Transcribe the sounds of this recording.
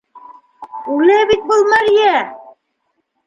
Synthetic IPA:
ʉlæbit̪̚bɤ̆lˠmɑɾjæ

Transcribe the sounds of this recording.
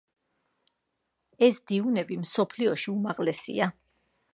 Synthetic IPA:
ɛsd̪iunɛbimsɔpʰliɔʃiumaʁlɛsḭa

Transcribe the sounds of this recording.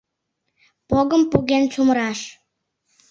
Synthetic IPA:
poɣəmpuɣent͡sumɾɑʃ

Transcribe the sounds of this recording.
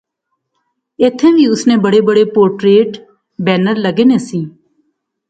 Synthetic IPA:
eːt̪ʰɛ̃ːʋiːʊsneːbəɽeːbəɽeːpoːɾʈɾeːʈ | bɛːnəɾləɡeːneːsĩː

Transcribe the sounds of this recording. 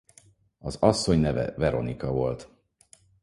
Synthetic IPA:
ɒzɒsːo̞ɲnɛvɛ̰vɛɾo̞̰nikɒvo̞lt̪

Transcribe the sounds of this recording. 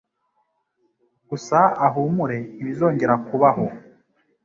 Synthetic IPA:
ɡ̥usaːɦumuɾe̞iβizo̞ːɲɟe̞ɾakuβaɦo

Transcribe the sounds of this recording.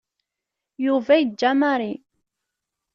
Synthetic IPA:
juvæjəd͡ʒːæmaɾˤi

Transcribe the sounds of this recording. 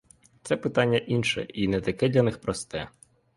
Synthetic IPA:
t̪sɛpɪt̪ɑnʲːɐʔinʃɛ̰ʔinɛt̪ɐkɛd̪lʲɐnɪxpɾɔst̪ɛ

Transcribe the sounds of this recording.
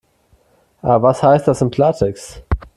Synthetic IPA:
ʔaːbvashaɪst̚d̥asɪnpʰlaːtʰɛks

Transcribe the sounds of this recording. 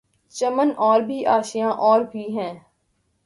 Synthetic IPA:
t͡ʃəmənʔɔːɾbʱiːʔaːʃijãːʔɔːɾbiːɦɛ̃ː

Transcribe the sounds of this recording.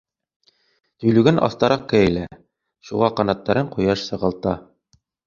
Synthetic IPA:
t̪ɵ̆jlʉɡænʔɑ̰θt̪ɑɾɑq̚kæɘlæ̰ | ʃuʁɑqɑnɑt̪ːɑɾɤɴqujɑʃsɤ̆ʁɤ̆lˠt̪ɑ

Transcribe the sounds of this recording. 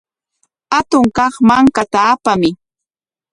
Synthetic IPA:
hat̪ʊŋkɑχmaŋkat̪aːpamɪ

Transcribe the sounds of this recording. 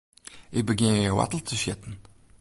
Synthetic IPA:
ʔɪk̚bəɡɪnəjəwa̰tl̩ˠtʰəʃɪt̪n̩

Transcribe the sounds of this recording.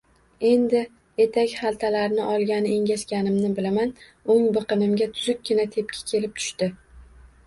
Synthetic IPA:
e̞nd̪ɪ | je̞t̪ʰakʲχalˠt̪ʰalaɾnɪʔɒlˠɡʲanɪeŋɡʲaskʲanɪmnɪbɪlamanoŋbɨqɨnɪmɡʲat̪ʰʊzʊk̚ʲɡʲɪnat̪ʰe̞p̚kʲʰɪ̥kʲʰe̞lɪp̚t̪ʰʊ̥ʃt̪ɪ

